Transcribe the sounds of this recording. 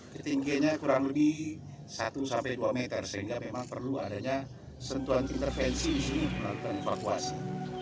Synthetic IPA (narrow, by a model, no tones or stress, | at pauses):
kət̪iŋɡaɲakuɾaŋləbih | sat̪usampaduamɛt̪ərsəɦiŋɡamemaŋpərlua̰daɲa | sənt̪uanint̪ərfɛnsidisiniməlalukanefakua̰si